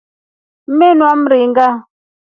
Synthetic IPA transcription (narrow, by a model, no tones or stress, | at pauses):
m̩menwam̩ɾiŋɡa